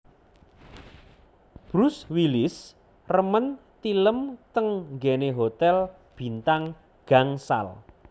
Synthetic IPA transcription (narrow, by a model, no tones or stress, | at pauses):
b̥ɾʊswilɪs | rəmənt̪iləmt̪əŋŋɡɛneɦot̪ɛl | b̥i̤nt̪aŋ | ɡ̥aŋsa̰l